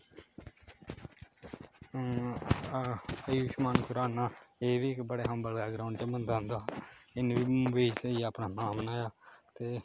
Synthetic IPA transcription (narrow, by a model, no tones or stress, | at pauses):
əjuːʃmaːnkʊɾaːnaːeːʋiːɪkbəɽeːɦəmbəlɡaːɡɾaːʊɳɖt͡ʃeːmənd̪ãːnd̪aːɪnʋiːʋeːt͡ʃiapnaːnaːbənaːjaːt̪eː